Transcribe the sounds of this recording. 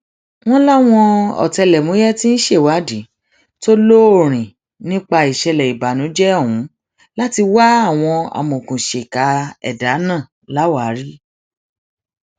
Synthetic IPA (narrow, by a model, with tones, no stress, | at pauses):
w̃ɔ̃˦la˦w̃ɔ̃˧ɔ̰˨tɛ˧lɛ˨mũ˨˦jɛ˦ti˦n̩˦ʃe˦˨wa˨˦di˨˦ | to˦lo˦o˦˨ɾ̃ĩ˨ | nĩ˦k͡pa˧i˨ʃɛ˧lɛ˨i˨ba˨nũ˨˦d͡ʒɛ˦ɔ˦˨wũ˨˦ | la˦ti˧wa˦a˦˨w̃ɔ̃˧a̰˨mũ˨kũ˨ʃe˨ka˨˦ɛ̰˦˨da˨˦nãː˦˨ | la˦wa˨˦ɾi˦